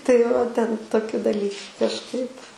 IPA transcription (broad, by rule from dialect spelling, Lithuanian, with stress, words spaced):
tɐɪ ʋɐ tʲɛn toːˈkʲʊ dɐˈlʲiː kɐʃˈkɐɪp